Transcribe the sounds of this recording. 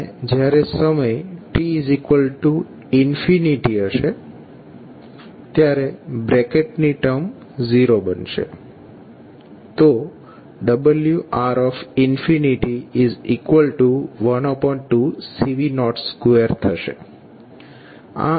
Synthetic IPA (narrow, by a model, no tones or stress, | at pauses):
ed͡ʒjaɾesəməjʈiːzikʋəlʈu | ɪnfiniʈiəʃe | t̪jaɾebɾekeʈniʈəm | ziɾobənʃḛ | t̪o | ɖəbəljuʔaɾɔfɪnfiniʈiizikʋəlʈuʋənɔpəʈusiʋinɔʈskueɾt̪ʰəʃḛ | a̰